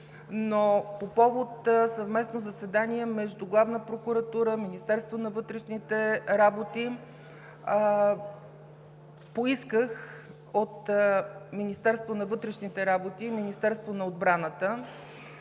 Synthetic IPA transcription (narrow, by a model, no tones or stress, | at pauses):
nopopɔvot̪sɐvmɛsnozɐsɛd̪aniɛmɛʒd̪uɡlˠavnəpɾokuɾɐt̪uɾəminist̪ɛɾst̪vonɐvɤt̪ɾɛʃnit̪ɛɾabot̪i | poiskəx | ot̪ | minist̪ɛɾst̪vonɐvɤt̪ɾɛʃnit̪ɛɾabot̪iminist̪ɛɾst̪vonɐod̪̚bɾanət̪ə